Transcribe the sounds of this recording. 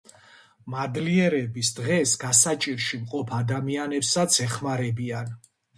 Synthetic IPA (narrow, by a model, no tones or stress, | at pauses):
mad̪liɛɾɛbisd̪ʁɛsɡasat͡ʃʼiɾʃimqʼɔpʰad̪amianɛpsat̪sʰɛχmaɾɛbian